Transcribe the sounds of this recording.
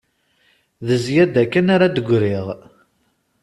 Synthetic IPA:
ðəzjæd̪ækːænaɾad̪əɡʷɾiʁ

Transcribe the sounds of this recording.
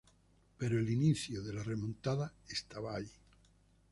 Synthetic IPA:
peɾoeliniθjoðelaremõnt̪aðaest̪aβaːʎi

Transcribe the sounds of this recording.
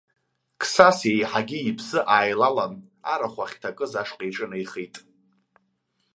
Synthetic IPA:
kʰsasjejħaɡʲɪipʰzɨʔaːjlalana̰ɾaχʷaχʲtʰakʼɨzaʂqʼajʈ͡ʂʼɨnajχijtʼ

